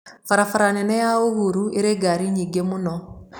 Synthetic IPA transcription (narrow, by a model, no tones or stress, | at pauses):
faɾafaɾanɛnɛjaoβuɾuʔeɾeɡaɾiɲiɡemunɔ